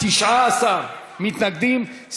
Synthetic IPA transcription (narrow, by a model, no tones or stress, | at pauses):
iʃʕasa | mit̪nɐk̚d̪im | s